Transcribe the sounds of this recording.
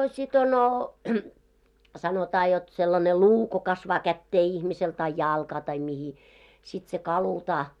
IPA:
sit ono sɑnotɑː jot selːɑne luː ko kɑsʋɑː kætːeː ihmisel tɑi jɑˑlkɑː tɑi mihi sit se kɑlutɑː

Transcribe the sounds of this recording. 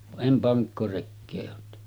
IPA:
ʋɑʔ ʔem pɑŋkːorekːeː oːt tehny

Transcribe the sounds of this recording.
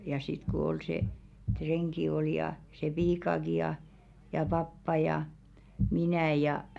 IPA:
jɑ sit ko ol se treŋki ol jɑ se piːkɑki jɑ jɑ pɑpːɑ jɑ minæˑ jɑ

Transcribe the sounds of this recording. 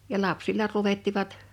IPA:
jɑ lɑpsilːɑ luʋetːiʋɑt

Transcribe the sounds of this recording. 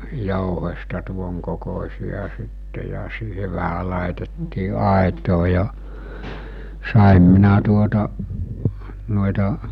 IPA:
jouhestɑ tuoŋkokosʲiɑ sitːe jɑ siːhe ʋæhæ lɑˑetetːiː ɑˑetoː jɑ sɑˑem minæ tuotɑ no̝etɑ

